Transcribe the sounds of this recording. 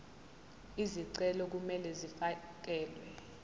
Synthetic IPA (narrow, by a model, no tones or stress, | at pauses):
iziǀɛlɔk̬umɛlɛzifa | k̬ɛːlwɛ